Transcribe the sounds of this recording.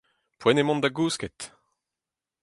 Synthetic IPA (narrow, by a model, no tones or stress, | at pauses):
pwɛnemɔ̃nd̪aɡuːsket̪